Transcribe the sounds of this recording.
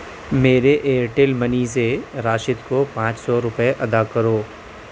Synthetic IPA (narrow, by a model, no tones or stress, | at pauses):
meːɾeʔeːɾʈɪlmɐniːseɾaːʃɪt̪kopãːt͡ʃsɔɾʊpəeʔɐd̪akɐɾoː